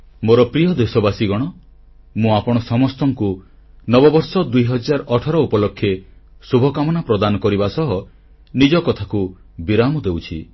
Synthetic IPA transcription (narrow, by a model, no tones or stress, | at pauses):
moɾɔpɾijɔd̪esɔbasiɡɔɽ̃ɔ | mũapɔɽ̃ɔsɔmɔst̪ɔŋku | nɔbɔbɔɾsɔd̪ujɦɔd͡ʒaɾɔʈʰɔɾɔupɔlɔkʰːjesubʱɔkamɔnapɾɔd̪anɔkɔɾibasɔɦɔ | nid͡ʒɔkɔt̪ʰaku | biɾamɔd̪ewt͡ʃʰi